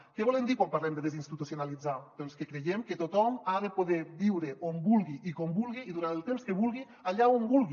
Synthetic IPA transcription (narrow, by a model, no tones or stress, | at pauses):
keβɔlend̪ikwampaɾlɛmd̪eðezinst̪it̪usionalid͡zad̪̥ɔnskekɾejemket̪ot̪ɔmaðepoðebiwɾeʔombulˠɣiʔikombulˠɣiːðuɾant̪elˠt̪emskeβulˠɣi | aʎaombulˠɣi